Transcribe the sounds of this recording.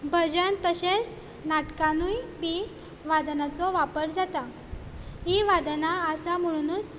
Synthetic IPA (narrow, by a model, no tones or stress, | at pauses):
bʱəd͡ʑənt̪əɕes | naʈkanujbi | ʋad̪nat͡sɔʋapəɾd͡zat̪a | ɦiʋad̪naəsam̤əɭ̃unuːs